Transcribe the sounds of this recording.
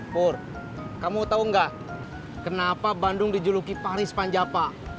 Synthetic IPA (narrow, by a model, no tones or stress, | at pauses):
pʊr | kamut̪auŋɡaʔ | kənapabandʊŋdid͡ʒulukipaɾɪspaɲd͡ʒapa